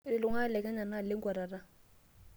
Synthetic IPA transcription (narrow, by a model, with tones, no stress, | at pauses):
ɪ˨lʊ˨ŋa˦lɛ˨kɛ˦ɲa˨na˦lɪ˦ŋɡwa˨ɾa˨ra˦